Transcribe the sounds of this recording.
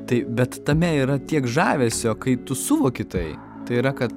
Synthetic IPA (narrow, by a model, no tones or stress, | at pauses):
t̪ɐɪbʲɛt̪t̪ɐmʲɛiːɾɐt̪ʲiɛkʒɑːʋʲeːsʲoːkɐɪt̪ʊsʊʋoːkʲɪt̪ɐɪ | t̪ɐɪiɾɐkɐt̪